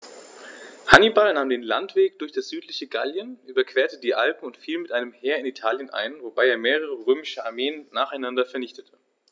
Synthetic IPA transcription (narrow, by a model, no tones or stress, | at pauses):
hanibalnaːmdeːnla̰ntv̥eːk̚d̥ʊɐçd̥asz̥yːtlɪçəɡaljənʔyːbɐkv̥eːɐtədiːʔalpm̩ʊntfiːlmɪtʔaɪnəmheːɐɪnitʰaːljənʔa̰ɪnvobaɪeːɐmeːʁəʁ̞əʁøːmɪʃəaɐmeːənːaːχaɪnandɐfɛɐnɪçtətʰə̥